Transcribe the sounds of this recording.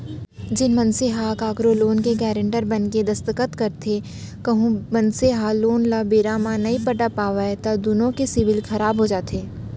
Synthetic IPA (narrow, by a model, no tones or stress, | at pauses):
d͡ʒɪnmɐnseɦakaːkɾoloːnkeɡɛːɾə̃ɳʈəɾbɐnked̪ɐst̪əkət̪kɐɾt̪ʰe | kɐɦũmɐ̃nseɦaloːnlabeːɾaːmãnɐɦĩpɐʈapaːʋaet̪ɐd̪ʊnõkesɪʋɪlxʰɐɾaːbɦod͡ʒaːt̪ʰeː